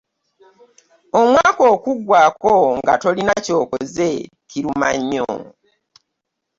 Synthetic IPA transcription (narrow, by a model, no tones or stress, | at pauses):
o̞mwaːko̞ːkuɡwaːko̞ŋɡa̰to̞linaco̞ːko̞ze̞ | kiɾuma̰ɲːo̰